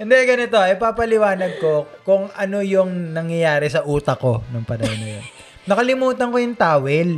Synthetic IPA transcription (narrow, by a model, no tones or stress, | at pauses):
hɪnd̪ɛɡɐnɪt̪o̞ɐjpaːpɐlɪwaːnɐɡ̪̚ko̞kʊŋʔɐno̞jʊŋnɐŋjɐjaːɾɛsɐʔuːt̪ɐko̞nʊŋpɐnɐhonɐ̰jo̰n | nɐkɐlɪmuːt̪ɐŋkojʊŋt̪aːwɛl